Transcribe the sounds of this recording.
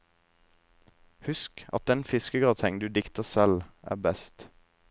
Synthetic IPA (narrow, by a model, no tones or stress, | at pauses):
hʉskʔɑ̰t̪̚d̪ɛnfɪskəɡɑːt̪ʰɛŋd̪ʉːd̪ɪkt̪əsɛlæ̰ːʁbɛst̪